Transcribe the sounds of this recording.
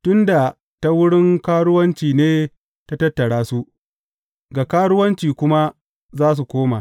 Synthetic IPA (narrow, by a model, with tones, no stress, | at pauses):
tʊ˦nda˨ | ta˦wʊ˦ɽɪ˦ŋkaː˦ɽʊ˦wɐ˦nt͡ʃiː˨neː˦ | ta˦tɐ˦tːɐ˨ɽaː˦su˦ʔ | ɡa˨kaː˦ɽʊ˦wɐ˦nt͡ʃiː˨kʷʊ˦ma˦ | zaː˦s̬u˨kʷoː˦ma˨